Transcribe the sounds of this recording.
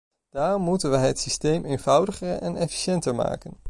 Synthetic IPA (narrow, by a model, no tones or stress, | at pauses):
d̥aːrɔmːutənʋəjɦətsistejmejnvɑwdəχərɛ̰nɛfi̥ʃɛntəɹma̰ːkən